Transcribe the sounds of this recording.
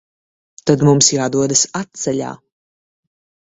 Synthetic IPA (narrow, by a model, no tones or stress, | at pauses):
t̪ad̪mumsjaːd̪uɔd̪asat̪̚t̪sɛʎa̰ː